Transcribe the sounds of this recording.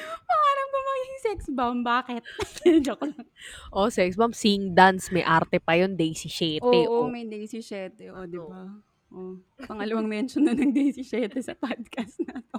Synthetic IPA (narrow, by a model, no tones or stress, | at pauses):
pɐŋaːɾɐmkɐmɐŋiɪŋsɛksbɐmbaːkɛt̪̚ɛd͡ʒɐkɐʔosɛksbɐmsiŋd̪ansmɐjʔaɾt̪ɛpɐjond̪ejsɪʃɛːʔoɛʔomɐjd̪ɐjsɪʃɛːt̪ɛʔod̪ɪba | ʔo | pɐŋɐlɐwɐŋmɛnt͡ʃononɐŋd̪ejsɪʃɛːt̪ɛsɐpad̪̚kɐst̪̚nat̪o